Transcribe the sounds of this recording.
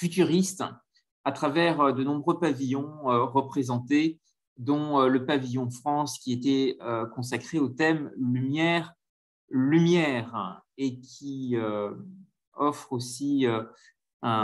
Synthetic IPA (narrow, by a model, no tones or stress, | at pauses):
fyt̪yʁist̪ | at̪χavɛʁød̪ənɔ̃bʁøpavijɔ̃øʁəpχezɑ̃t̪e | d̪ɔ̃øləpavijɔ̃fχɑ̃skʲiet̪ɛøkɔ̃s̬akχeot̪ɛmlymjɛʁ | lymjɛʁekʲʰiø | ɔfχosiø | ɛ̃